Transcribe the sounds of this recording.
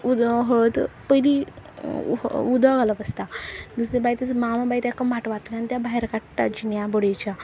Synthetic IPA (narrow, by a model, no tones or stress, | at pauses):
ud̪ɦoɭət̪pəili | ud̪aɡʱalapəst̪ad̪əslebajt̪ət͡smamãbajt̪akəmbaʈʋat̪ləanit̪jabaɦeɾkaʈʈːa̰d͡ʑinjãbɔɽet͡ɕa